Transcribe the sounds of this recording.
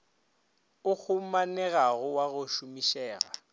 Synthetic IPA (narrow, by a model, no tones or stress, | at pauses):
ʊk͡xʰʊmanɛɣaɣʊwaɣʊʃumiʃɛːɣa̰